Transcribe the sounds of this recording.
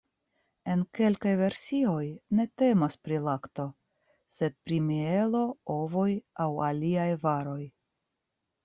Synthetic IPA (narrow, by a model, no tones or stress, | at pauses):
e̞nke̞lkajve̞ɾsio̞jne̞te̞mospɾilakto̞ | se̞d̪̚pɾimie̞lo̞o̞vo̞jawaliajvaɾo̞j